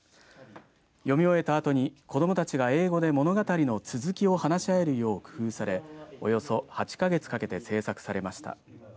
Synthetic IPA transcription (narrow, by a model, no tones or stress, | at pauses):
jo̞mʲio̞e̞t̪aːt̪o̞ɲ̟iko̞d̪o̞mot̪at͡ɕiɡae̞ːɡo̞d̪e̞mo̞no̞ɡat̪aɾʲino̞t͡sɨzɨkʲio̞hanaɕiae̞ɾɯ̟jo̞ːkɯ̟̥hɯ̟ːsaɾe̞o̞jo̞so̞hat͡ɕi̥kaɡe̞t͡sɨ̥kake̞t̪e̞se̞ːsakɯ̟̥saɾe̞maɕi̥t̪a̰